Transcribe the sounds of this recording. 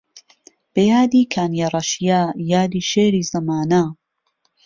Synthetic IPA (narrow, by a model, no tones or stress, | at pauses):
b̥ɐjaːd̪iːkʰaːnjaɾˤɐʃijaːjaːd̪iːʃeːɾiːzɐmaːna